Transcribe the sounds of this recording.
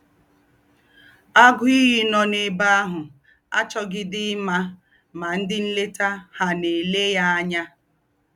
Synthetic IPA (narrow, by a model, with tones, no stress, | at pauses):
a˦ɡʊ˦i˦ɦi˦nɔ˨ne˨ba˦a˦ɦʊ˨ | a̰˦t͡ʃɔ˦ɡɪ˦dɪ˦ma˦ | ma˨n̩˦dɪ˦n̩˦le˦ta˦ha˨ne˨le˦ja˦a˦ɲa˦